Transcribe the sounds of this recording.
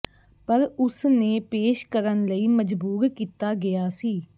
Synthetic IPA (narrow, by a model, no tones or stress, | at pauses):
pəɾʊsneːpeːʃkəɾənləiːməd͡ʒbuːɾkiːt̪aːɡɪjaːsiː